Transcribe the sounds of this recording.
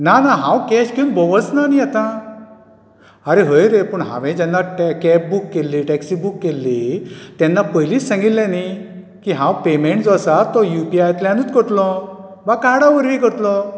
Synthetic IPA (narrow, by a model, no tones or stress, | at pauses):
nanaɦãwkɛɕkinbɔʋət͡snaniat̪ã | aɾeɦəjɾepəɳɦã̰ʋɛ̃d͡ʑɛnːaʈkɛp̚bukːelːiʈɛksibukːelːit̪ɛ̃nːapəɦjliːt͡ssãŋɡitllãni | kiɦãwpemeɳʈd͡zɔsat̪ɔjupiajt̪ljãnut͡skəɾt̪lɔ | bakaɽaʋəɾʋikəɾt̪lɔ